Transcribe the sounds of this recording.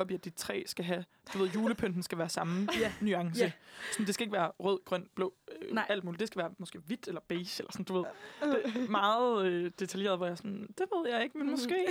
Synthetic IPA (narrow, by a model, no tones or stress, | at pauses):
ɒ̽biæd̥it͡sʰʁɛ̰ːsɡ̥æɦæ | d̥uʋe̝ð̰ˠjuːləpʰøn̰d̥n̩sɡ̥æʋæːɐsɑ̈m̩nyɑ̈ŋsəsɒ̽nd̥e̝sɡ̥æe̝ɡ̥ʋæːɐʁœð̰ˠɡ̥ʁœn̰b̥lɔ̰ʊøʔæl̰d̥muːlid̥e̝sɡ̥æʋæːɐmɒsɡ̥e̝̰ːʋid̥elɐb̥eːselʔɐsɔ̽n̩d̥uʋe̝ð̰ˠd̥emɑ̈ːð̩ˠød̥e̝t͡sʰælje̝̰ːɐðˠʋɒjɑ̈sɒnd̥e̝ʋe̝ð̞̰ˠjɑ̈ɪe̝ɡ̥menmɔ̽sɡ̥e̝̰ː